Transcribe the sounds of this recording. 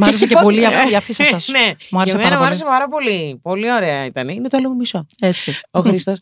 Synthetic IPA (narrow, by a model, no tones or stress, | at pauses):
muɐeɾes̬ecepo̞liɐpoiɐfisɐsɐsnemuɐɾessemeɐnɾɐmoɐɾesepɐɾɐpo̞lipo̞lio̞ɾe̞ɐit̪ɐneinet̪oɐlomumisoet͡sioxɾist̪os